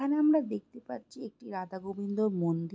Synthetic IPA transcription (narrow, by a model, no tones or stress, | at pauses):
aneamɾad̪ek̚t̪epa̰ɾt͡ɕʰiek̚ʈiɾad̪aɡobind̪oɾmond̪i